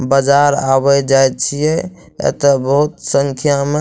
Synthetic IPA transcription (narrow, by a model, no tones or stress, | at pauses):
bəd͡ʒaɾabɛd͡ʒaj̪̚t͡ʃʰijɛ | ḛt̪əbəɦut̪səŋkʰjame